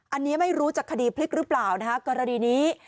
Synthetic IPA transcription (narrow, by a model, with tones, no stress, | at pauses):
ʔa˧nːiː˦˥ma˥˩jɾuː˦˥t͡ɕaː˨˩kʰːa˧diː˧pʰli˦˥k̚ɾɯ˦˥plaː˨˩wna˦˥kʰa˦˥kɔː˧ɾa˧niː˧niː˦˥